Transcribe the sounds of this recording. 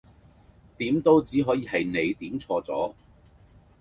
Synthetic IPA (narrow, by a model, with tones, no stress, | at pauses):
t̪iː˨˥mt̪o˥wt͡siː˨˥ɦɔː˨˥jiː˨˧hɐ˨jne˨˧jt̪iː˨˥mt͡sʰɔː˧t͡sɔ̰ː˨˥